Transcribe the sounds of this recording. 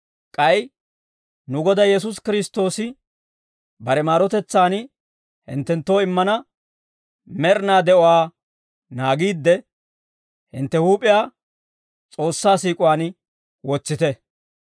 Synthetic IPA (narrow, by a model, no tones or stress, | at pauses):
kʼɐj | nʊɡɔd̪ɐjɛs̬ʊskɪɾɪst̪ːo̞ːsɪ | bɐɾɛmaːɾɔt̪ɛt͡sːaːn | hɪ̰nt̪ːɛnt̪ːo̞ːɪmːɐnɐ | mɛɾnaːd̪ɛʔɔwaː | naːɡiːd̪ːɛ | hɪ̰nt̪ːɛhuːpʼɪjaː | t͡sʼo̞ːsːaːsiːkʼʊwaːn | wɔt͡sːɪt̪ɛ